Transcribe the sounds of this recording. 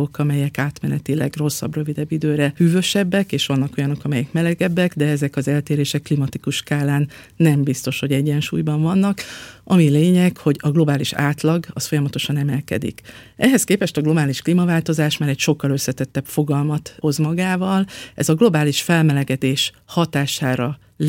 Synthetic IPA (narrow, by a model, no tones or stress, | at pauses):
okɒmɛjɛkaːt̪mɛnɛt̪ilɛ̰ɡro̞sːɒ̰brø̞vid̪ɛbːid̪øːɾɛhyːvø̞ʃɛbːɛkeːʃʋɒnːɒko̞jɒno̞kɒmɛjɛkmɛlɛɡɛbːɛɡd̪ɛɛzɛkɒzɛlt̪eːɾeːʃɛkːlimɒt̪ikuʃkaːlaːnː | ɛmbist̪o̞ʃho̞ɟɛɟːɛnʃṵːjbɒɱvɒnːɒkʔɒmileːɲɛkho̞ɟɒɡlo̞baːliʃa̰ːt̪lɒɡɒsfo̞jɒmɒt̪o̞ʃɒnɛmɛlkɛ̰d̪ḭk | ʔɛɦɛskeːpɛʃt̪ɒɡlo̞baːliʃklimɒvaːlt̪o̞zaːʃmaːɾɛcʃo̞kːɒløsːɛt̪ɛt̪ːɛpfo̞ɡɒlmɒt̪o̞zmɒɡaːvɒlʔɛ̰zɒɡlo̞baːliʃfɛlmɛlɛɡɛd̪eːʃ | hɒt̪aːʃaːɾɒ | l